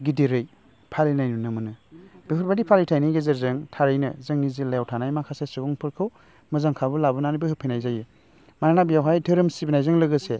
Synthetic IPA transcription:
ɡidiɾɯj | pʰalinajnunɯmɯnɯb̥ikʰɯɾbadipʰalitʰajnijɡezeɾzɯŋtʰaɾɯjnɯzɯŋnizilajawtʰanajmakʰasesɯɡɔŋpʰɯɾkʰɯw | mɯzaŋkʰabɯlabɯnanɯbɯhɯpʰɯjnajzajɯ | maɾanabijawɦajdʰɯɾɯmsibinajzɯŋlɯɡɯse

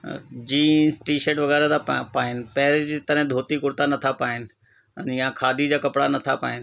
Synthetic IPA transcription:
d͡ʒiːnsʈiːʃeʈʋɐɡɛːɾed̪apaːɪn̆pɛːɾɪd͡ʒt̪ɐɾɦɛ̃d̪ʱoːt̪ikʊɽt̪anɐt̪ʰapaːɪnɪ | ə̰nɪãkʰaːd̪ʱid͡ʑaːkɐpɽanɐt̪ʰapa̰ːɪnɪ

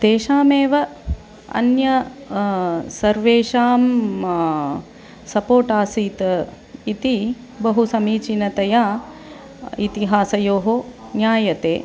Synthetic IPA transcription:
d̪̥eːʃaːmeːʋɐ | ɐ̰njɐ | sɐɾʋeːʃaːm | sɐpoːʈaːsiːt̪ɐ | it̪i | bɐɦusɐmiːt͡ʃinɐt̪ɐjaː | it̪iɦaːsɐjoːɦonjaːjɐt̪eː

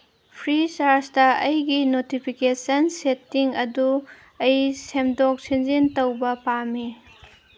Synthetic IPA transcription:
pʰɾisaɾstɐʔɐjɡinotipʰikesɐnsetːiŋɐdu | ɐjsemdok̚sinzintɐwbɐpami

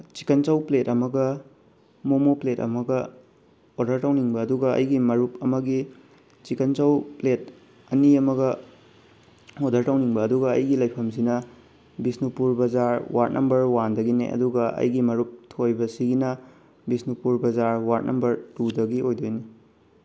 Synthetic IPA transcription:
t͡ʃi̥kɐnt͡ʃɐwpletɐmɐɡɐ | momopletɐ̰mɐɡɐ | odɐɾtawniŋbɐːduɡɐɐ̰jɡimɐɾup̚ɐmɐɡi | t͡ʃikɐnt͡ʃɐwplet | ɐniɐmɐɡɐ | odɐɾtɐwniŋbɐːduɡɐ̰ːjɡilɐjpʰɐms̬inɐ | bisnipuɾbɐzaɾwa̰t̚nʔɐmbɐɾwandɐɡinḛʔɐ̰duɡɐɐ̰jɡimɐɾup̚tʰojbɐsiɡinɐ | bisnupuɾbɐzaɾwat̚nʔɐmbɐɾtudɐɡiʔojdojni

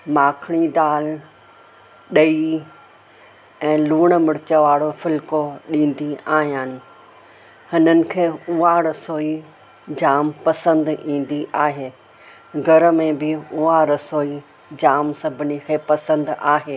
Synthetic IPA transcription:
maːkʰɽ̃id̪aːl | ɗɐi | ɛ̃ːluːɽ̃mɪɽɪt͡ɕəʋaːɽofɪlkoɗĩːn̆d̪iaːɦijaːnɪ̆ | hɪnənɪ̆kʰeːuaɾɐsoːi | d͡ʑaːmpɐsə̃nd̪ĩːn̆d̪iʔaːɦeː | ɡʱɐɾəmẽbɪʊaɾɐsoːi | d͡ʑaːmsɐbʱɪnikʰeːpɐsə̃nd̪aːɦeː

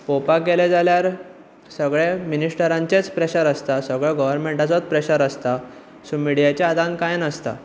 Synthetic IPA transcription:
popakeled͡zaljaɾ | səɡɭeminiʂʈəɾãɲt͡ɕet͡spɾeɕəɾəst̪asəɡɭeɡəʋəɾmẽɳʈat͡sɔt̪̚pɾeɕəɾəst̪a | sumiɽijat͡ɕaːd̪ãnkajnəst̪a̰

